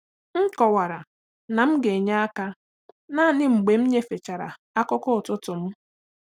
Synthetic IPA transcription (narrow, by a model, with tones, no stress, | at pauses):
ŋ̩˦kɔ˨wa˨ɾa˨ | na˨m̩˦ɡe˨ɲa˦a˦ka˦ | na˦˨nɪ˦ŋ͡m̩˨ɡ͡be˨m̩˦ɲe˦fe˨t͡ʃa˨ɾa̰˨ | a˦kʊ˦kʊ˦˨tʊ˦tʊ˨m̩˦